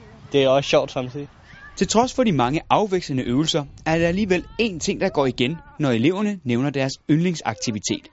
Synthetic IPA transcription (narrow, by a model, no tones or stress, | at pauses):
d̥e̝æɐɒsɕɒʊ̰d̥sɑ̈mt͡sʰið̰ˠi | t͡sʰe̝lt͡sʰʁɒ̽sfɒ̽dimɑ̈ŋəʔɑ̈ʊʋeɡ̥sənəʔøːʊl̩sɐæɐd̥eæliːʋele̝ːnt͡sʰe̝ŋ̰d̥ɑ̈ɡ̥ɒ̰ːiɡ̥enːɒe̝le̝ʊɐnəneʊnɐd̥æɐsønle̝ŋsɑ̈ɡ̥̚t͡sʰiʋit͡sʰe̝̰ːd̥